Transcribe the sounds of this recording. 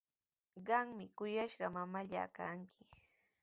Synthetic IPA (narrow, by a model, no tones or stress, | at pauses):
ɢɑŋmɪkʊjaʃɢɑmamaʎa̰ːkaŋkʰɪ̥